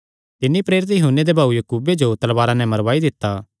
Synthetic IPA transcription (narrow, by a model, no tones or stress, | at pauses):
t̪ɪnːipɾeːɾɪt̪jɐɦʊnːed̪ebʱaːujɐkuːbed͡ʒot̪ɐlʋaːɾanɛ̃mɐɾʋaːid̪ɪt̪ːaː